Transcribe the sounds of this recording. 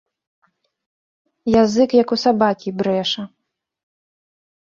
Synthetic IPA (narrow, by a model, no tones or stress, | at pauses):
jazɨkjɐkusabakʲibɾɛʂɐ